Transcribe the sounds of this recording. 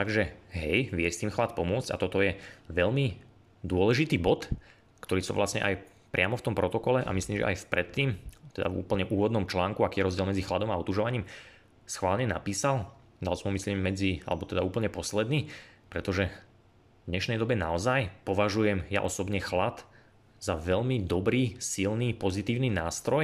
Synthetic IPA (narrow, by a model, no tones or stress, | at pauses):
t̪aɡʒɛɦɛjʋɪɛst̪iːmxlat̪̚pɔmʊɔt͡sɟ̥a̰t̪ɔt̪ɔjɛʋɛʎmi | d̪ʊɔlɛʒit̪iːbɔt̪ | kt̪ɔɾiːsɔ̰ʋlʔasɲɛ̰ʔaj | pɾʔɪamɔft̪ɔmpɾɔt̪ɔkɔlɛʔa̰misliːmʒɛ̰ʔa̰jfpɾɛt̪ːiːmt̪ɛd̪a̰vṵːpl̩ɲɛʔuːʋɔd̪nɔmt͡ʃlaːŋkuakiːjɛɾɔzɟɪɛlmɛd͡zixlad̪ɔmaɔt̪uʒɔʋaɲiːm | sxʋaːlɲɛna̰piːsal | d̪a̰lsɔmɦɔmisliːmːɛd͡zia̰lɛbɔt̪ɛd̪auːpl̩ɲɛpɔslɛd̪niːpɾɛt̪ɔʒɛ | d̪ɲɛʃnɛjd̪ɔbɛnaɔzajpɔʋaʒujɛmja̰ʔɔsɔbɲɛxlat̪ | zaʋɛʎmid̪ɔbɾiːsilniːpɔzit̪iːʊniːnaːst̪ɾɔj